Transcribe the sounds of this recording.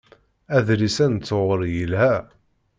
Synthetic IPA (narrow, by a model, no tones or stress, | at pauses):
æðɾisænt͡sːoʁəɾjəlhæ